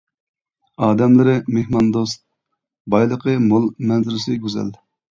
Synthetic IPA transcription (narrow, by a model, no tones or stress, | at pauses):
ɑːd̪ɛmlɪɾɪmehmɑnd̪ost̪̚ | bɑjlˠəqʰəmolˠmɛnzɪɾɪsɪɡʲyzɛ̰l